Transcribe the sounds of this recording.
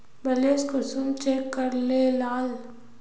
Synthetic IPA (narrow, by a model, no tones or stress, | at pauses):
bəleːskʊsunt͡ʃeːkːəɾlelaːl